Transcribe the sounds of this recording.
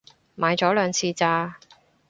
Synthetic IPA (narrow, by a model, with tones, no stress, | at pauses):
maː˨˧jt͡ʃɔː˨˥lœː˨˧ŋt͡sʰiː˧t͡saː˧